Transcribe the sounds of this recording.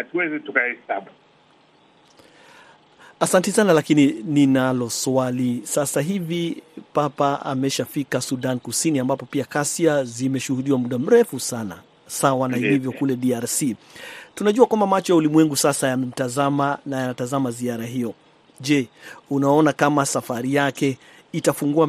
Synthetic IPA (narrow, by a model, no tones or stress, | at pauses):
hatuwɛzitukahɛsaɓu | asantisanalakinininalɔswalisasaɦivipapaa̰mɛʃafikasuɗankusiniambapɔpiakasiazimɛʃuhuɗiwamuɗam̩ɾɛfusana̰ | sawanailivjɔkulɛɗiaɾsi | tunaʄuakwambamat͡ʃɔjaulimwɛŋɡusasajamɛm̩tazamanajanatazamaziaɾaɦijɔ | ʄɛunaɔnakamasafaɾijakɛ | itafuŋɡua